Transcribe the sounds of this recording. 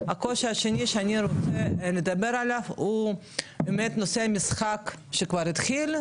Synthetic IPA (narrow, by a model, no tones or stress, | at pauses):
akoʃaʃeniʃeaniɾot͡sened̪abeɾalavhu | bemet̪noseamisχakʃekvaɾit̪χil